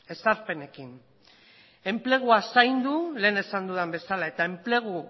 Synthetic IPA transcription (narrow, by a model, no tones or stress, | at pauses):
e̞saɾpe̞ne̞kin | e̞mple̞ɣ̞uasajnd̪ule̞ːne̞sand̪uðambe̞salae̞t̪ae̞mple̞ɣ̞u